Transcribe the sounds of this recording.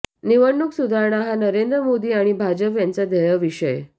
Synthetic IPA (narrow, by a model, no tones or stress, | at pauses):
niʋəɳːuksud̪ʱaɾɳaɦanəɾend̪ɾəmod̪iːaɽ̃ibʱad͡ʑəpjant͡sad̪ʱəjəʋiɕəj